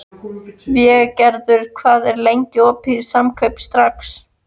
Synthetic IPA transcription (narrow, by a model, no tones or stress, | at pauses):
vjɛɣcɛɾðʏɾ̥kʰvaːðɛɾlejɲcɪɔːpʰɪðsamkʰœɥpst̪ɾaks